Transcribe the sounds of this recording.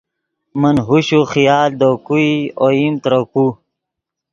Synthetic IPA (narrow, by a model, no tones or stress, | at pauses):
mənɦuɕuχijaːld̪okuioimt̪ɾoku